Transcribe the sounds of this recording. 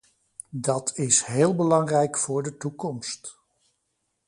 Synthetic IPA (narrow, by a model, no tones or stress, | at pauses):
dɑtʰɪsɦeːlˠbəlɑŋrɛjkfʊːɹdətukɔmst